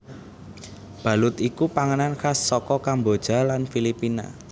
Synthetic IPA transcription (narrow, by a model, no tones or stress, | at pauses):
b̥ä̤lʊt̪ikupaŋənankasːɔkɔkambod̥ʒ̥a̤lanfilipina̰